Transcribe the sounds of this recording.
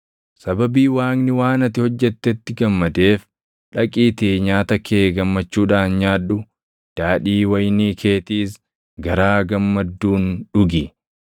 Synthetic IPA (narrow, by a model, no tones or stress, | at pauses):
sɐbɐbiːwaːŋnɪwaːnɐt̪ɪhɔd͡ʒːɛt̪ːɛt̪ːɪɡɐmːɐd̪e̞ːf | ᶑɐkʼiːt̪eːɲaːt̪ɐkʰeːɡɐmːɐt͡ʃːuːᶑaːnɲaːᶑʊ | d̪̥aːᶑiːwɐjniːkʰe̞ːt̪iːs | ɡɐɾaːɡɐmːɐd̪ːuːnᶑʊɡɪ